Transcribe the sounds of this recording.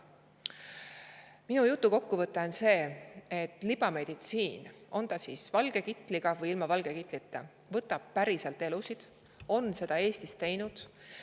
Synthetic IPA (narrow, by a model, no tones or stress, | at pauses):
minujut̪ːˑuko̞kːuvɤt̪ːˑense̞ːet̪ːˑlib̥ɑme̞d̪̥it̪siːno̞nt̪ɑsiːsvɑlɡ̥e̞kit̪ːˑliɡ̥ɑvɤjilmɑvɑlɡ̥ekit̪ˑlit̪ˑːe | vɤt̪ːˑɑb̥̚pæɾiselt̪e̞lusid̪̥ | o̞nse̞d̪̥ɑe̞ːst̪ist̪e̞jnud̪̥